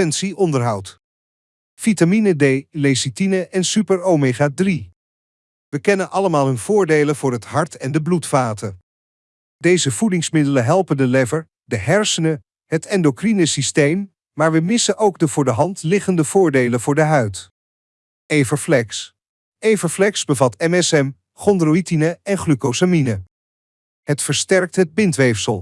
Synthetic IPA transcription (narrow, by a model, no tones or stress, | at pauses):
ɛnsiʔɔndəɹɦɑwt | fitaminədejlesitinəʔɛnsypəɹomeχaːdri | ʋəkɛnənʔɑləmaːlˠɦɵnv̥ʊːɹdejlənv̥ʊːɹɦətɦɑɹtɛndəblutfaːtə | dejzəv̥udɪŋsmɪdələnɦɛlˠpəndəlɛvəɹ | dəɦɛɹsənə | ɦətɛndokrinəsistejmː | aːɹʋəmɪsənʔowɡdəvʊːɹdəɦɑntlɪχəndəv̥ʊːɹdejlənvʊːɹdəɦœɥt | ejvəɹflɛks | ejvəɹflɛksbəvɑtɛmɛsɛm | χɔndroitinəɛnχrykowsaminə | ətfəɹstɛɹk̚tɦəd̚bɪntʋejfsəlˠ